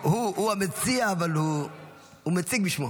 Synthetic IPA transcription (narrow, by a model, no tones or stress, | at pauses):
huhuamet͡siaːvalhu | humet͡sik̚biʃmo